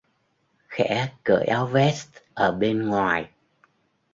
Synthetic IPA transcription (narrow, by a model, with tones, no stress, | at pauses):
xɛ̰˧˥kə̰ː˧˩jʔaː˨˦wvɛ˦˥st̪̚ʔəː˧˩ɓe˧nŋwaː˨˩j